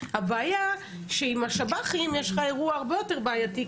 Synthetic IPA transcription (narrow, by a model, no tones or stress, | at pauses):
habeaja | ʃeimaʃabaχimjeʃχaeʁuaːʁbejo̞te̞ʁbeajati